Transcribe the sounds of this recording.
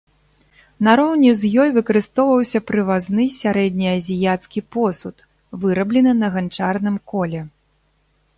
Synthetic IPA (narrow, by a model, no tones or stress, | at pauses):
naɾɔwnʲɛzjɔjvɨkɐɾɨst̪ɔwvɐwsʲɐpɾɨvaznɨsʲaɾɛd̪ʲnʲiɐzʲijat̪skʲipɔsut̪ | vɨɾɐblʲɛnɨnɐɣant͡ʂarnɨmkɔlʲɛ